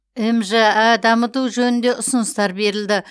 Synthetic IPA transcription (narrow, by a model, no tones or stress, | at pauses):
emʒeæd̪ɑmət̪uʒɵnɪnd̪e̞ʔʊsənəst̪ɑɾbe̞ɾɪld̪ɪ